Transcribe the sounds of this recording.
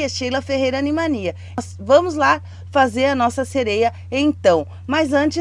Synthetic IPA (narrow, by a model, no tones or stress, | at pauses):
ɐʃejlɐfehejɾɐanĩmaniɐ | s | vɐ̃mʊzla | fazeɾɐnɔsɐseɾejɐ | ẽt̪ɐ̃w̃ | majzɐ̃nt͡ʃɪ